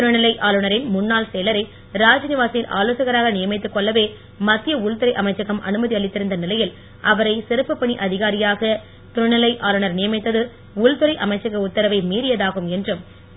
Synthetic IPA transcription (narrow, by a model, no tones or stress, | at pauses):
t̪ʊɾɐnɪlɐɪʔaːlɯɳɐɾɪnmʊnːaːlseːlɐɾɐɪ | ɾaːd͡ʒɐnɪʋaːsɪjɪlʔa̰ːloːsɐɣɐɾaːɣɐnɪjɐmɪt̪ːɯkːɔɭːɐʋeː | mɐt̪ːɪjɐʊɭt̪ɯɾɐɪʔɐmɐɪt͡ʃːɐɣɐmʔɐ̰nɯmɐðiɐɭɪt̪ːɪɾɯnd̪ɐnɪlɐjɪl | ʔɐʋɐɾɐɪsɪɾɯpːɐpːɐɳiʔɐðɪɣaːɾɪjaːɣɐ | t̪ʊɾɐnɪlɐɪʔaːlɯɳɐɾnɪjɐmɐɪt̪ːɐðɯ | ʊlt̪ɯɾɐɪʔɐmɐɪt͡ʃːɐɣɐʊt̪ːɐɾɐʋɐɪmiːɾɪjɐðaːɣɯmɛndrɯm